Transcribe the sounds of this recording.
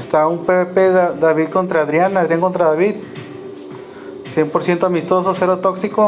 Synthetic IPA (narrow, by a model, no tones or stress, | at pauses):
est̪aumpeβepeðd̪aβiðkont̪ɾaðɾjanaðɾjaŋkont̪ɾaðaβið | sjempoɾsjent̪oamist̪ososeɾot̪oksiko